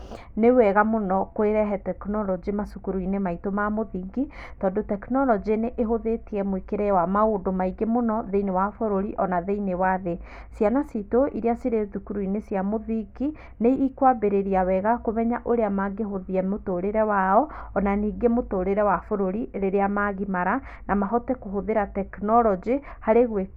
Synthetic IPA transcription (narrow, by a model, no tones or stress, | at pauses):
newɛɣamonɔkoeɾɛɦɛtɛknɔlɔd͡ʒimasukuɾuinemaitomamoðiːɡitɔːdotɛknɔlɔd͡ʒeneʔeɦoðetiɛmwekeɾɛwamaodomaiɡemonɔðeinewafoɾoɾiʔɔnaðeinewaðe | sjanasitoʔiɾeasiɾeðukuɾuinesjamoðiŋɡi | neikwabeɾeɾiawɛɣakomɛɲaʔoɾeamaɡeɦoðiɛmotoɾeɾɛwaɔːnaniːɡemotoɾeɾɛwafoɾoɾieɾeɾeamaɣimaɾa | namaɦɔtɛkoɦoðeɾatɛknɔlɔd͡ʒihaɾeɣwe